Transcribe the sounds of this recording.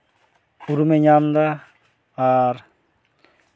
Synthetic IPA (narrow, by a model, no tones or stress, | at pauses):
uɾumeɲamd̪a | aɾ